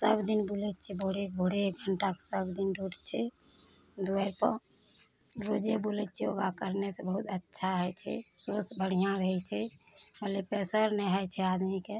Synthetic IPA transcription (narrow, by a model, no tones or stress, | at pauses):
səbd̪inbulɛt̪̚t͡ʃʰɛbʱoɽek̚bʱoɽeɡʱəɳʈake̥səbd̪inɖʱuʈt͡ʃʰɛ | d̪uəɾpə̰ɾ | ɾod͡ʒebulet̚t͡ʃʰɛo̰ɡakəɾnesebəɦut̪ətːʃʰaɦəjt͡ʃʰɛ̰sosbəɽ̤ijãɾəɦɛt͡ʃʰɛ | məlepɛsəɾnɛɦət͡ʃʰɛad̪mike